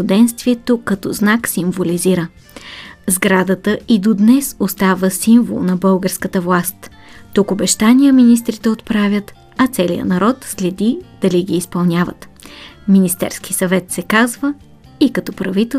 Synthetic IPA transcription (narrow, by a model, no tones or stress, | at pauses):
ʊd̪ɛnst̪viɛt̪okːɐt̪ɔznaksiɱvoliziɾə | zɡɾad̪ət̪əʔid̪od̪nɛsost̪avəsiɱvo̰lˠnɐbɤlˠɡəɾskət̪əvlˠast̪ | t̪ːukobɛʃt̪anijəminist̪ɾit̪ɛot̪pɾavʲjət̪ | ɐt̪sɛlḭjə̰nɐɾɔt̪slɛd̪id̪̥ɐliɡiːspɐlˠnʲjavə̰t̪minist̪ɛ̰ɾsk̟i̥sɐvɛt̪sɛkazvə | ikɐt̪ɔpɾɐvit̪ɛ